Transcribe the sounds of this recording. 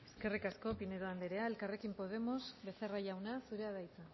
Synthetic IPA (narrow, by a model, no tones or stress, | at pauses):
e̞ske̞rikasko̞pineɾoand̪eɾeaelkare̞kimpo̞ð̞e̞mo̞sβe̞seraʝawnasuɾe̞aðajt͡sa